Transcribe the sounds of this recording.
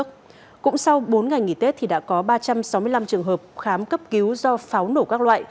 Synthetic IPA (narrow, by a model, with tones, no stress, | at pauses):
ək̚ | kʊ̰˧˥ŋ͡msa˧wɓo˨˦nŋa˨˩jŋḭ˧˩t̪e˦˥t̚t̪ʰi˨˩ɗa̰ː˧˥kɔ˨˦ɓaː˧t͡ɕa˧msa˨˦wmɨ˧əjla˧mt͡ɕɨ˨˩əŋɦəː˨˩p̚xaː˨˦mkə˦˥p̚ki˨˦wzɔ˧faː˨˦wno˧˩kaː˦˥k̚lwa̰ː˧˨j